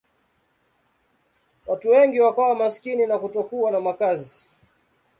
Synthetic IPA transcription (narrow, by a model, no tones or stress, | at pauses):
watuwɛŋɡiwakawamaskininakutɔkuanamakazi